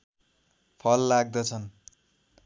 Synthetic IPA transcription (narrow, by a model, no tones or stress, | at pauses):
pʰʌlːaɡ̚d̪ʌt͡sʰʌn